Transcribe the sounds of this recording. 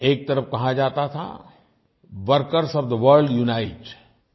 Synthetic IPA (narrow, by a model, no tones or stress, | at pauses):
eːk̚t̪ɐɾəfkɐɦad͡ʒaːt̪at̪ʰa̰ | ʋəɾkəɾsɔːʋd̪əʋəɾlɖjuːnaːɪʈ